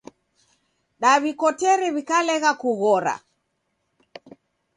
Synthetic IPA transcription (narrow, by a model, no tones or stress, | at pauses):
ɗaβikɔtɛɾɛβikalɛɣakuɣɔɾa̰